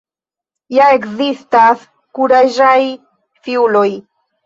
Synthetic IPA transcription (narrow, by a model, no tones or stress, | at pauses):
jaekzist̪as | kuɾaʒaj | fiuloj